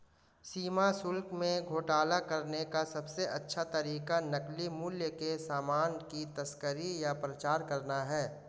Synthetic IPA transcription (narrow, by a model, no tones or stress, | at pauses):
siːmasʊlkmẽɡʱoːʈaːlakɐɾnekasɐbseʔɐtːʃʰat̪ɐɾiːkanɐklimʊːljəkesaːmaːnkit̪ɐskəɾijapɾət͡ʃaːɾkɐɾnaɦɛː